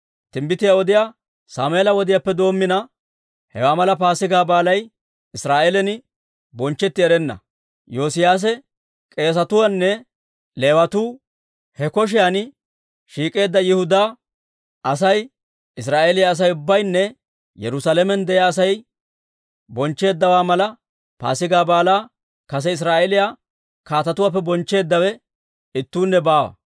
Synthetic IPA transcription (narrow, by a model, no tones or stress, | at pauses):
t̪ɪmbɪt̪ɪjaɔd̪ɪja | saːmeːlɐwɔd̪ɪjapːɛd̪o̞ːmːɪnɐ | hɛ̰waːmɐlɐpaːsɪɡaːbaːlɐj | ɪsɾaːʔelɛnɪ | bɔnt͡ʃːɛt̪ːɪɛɾɛnːɐ̰ | jo̞ːsɪjaːs̬ɛ | kʼe̞ːs̬ɐt̪ʊwɐnːɛ | leːwɐt̪uː | hɛkɔʃ̬ɪjan | ʃiːkʼe̞ːd̪ːɐjɪhʊd̪aː | ɐsɐj | ɪsɾaːʔelɪjaːs̬ɐjʊbːɐjnːɛ | jɛ̰ɾʊsalɛmɛnd̪ɛjaːsɐj | bɔnt͡ʃːe̞ːd̪ːɐwaːmɐlɐ | pa̰ːsɪɡaːbaːlaː | kɐs̬ɛɪs̬ɾaːʔɛlɪjaː | kaːt̪ɐt̪ʊwaːpːɛbɔnt͡ʃːe̞ːd̪ːɐwɛ | ɪt̪ːuːnːɛbaːwɐ̰